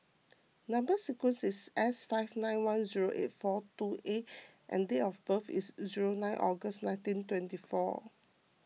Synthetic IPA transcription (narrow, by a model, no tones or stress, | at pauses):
nãmbəsikwɛ̃nsisɛsfaɪfnãɪ̃nwãnziɹoʔḛt̚fɔtuʔet̚ʔɛ̰̃ndeɔfbəfḭsziɹonãɪ̃nʔɔɡəsnãɪ̃ntĩntwɛ̃ntifɔ̰